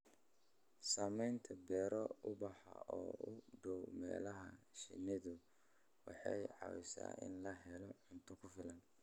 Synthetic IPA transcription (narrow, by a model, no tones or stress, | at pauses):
saːmɛjnt̪ʰɐbɛːɾɔʊbɑħɑ̰ɔːʊɖɔwmɛ̰ːlɐɦɐʃɪnɪðʊ | wɑħɑjʕɑ̰wɪsa̰ːɪ̰nlɐɦɛlɔʕʊnt̪ʰʊkʰʊfɪlɐn